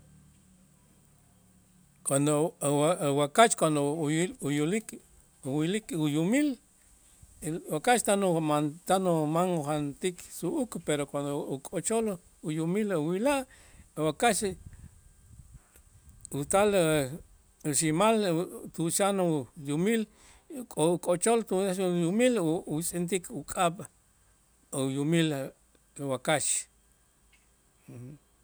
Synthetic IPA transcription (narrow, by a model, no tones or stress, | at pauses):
kwand̪oawakat͡ʃkwand̪oujulik | uwilikujumil | wakaʃt̪anumant̪anumaŋuχant̪ikʰsuʔukpeɾokwand̪oukʼot͡ʃol | ujumiluwilaʔ | wakaʃ | ut̪al | uʃimalt̪uʃanujumil | kʼoukʼot͡ʃolt̪uaʃujumilwit͡sʼint̪̬ikʰukʼaɓ | ujumil | ewakaʃ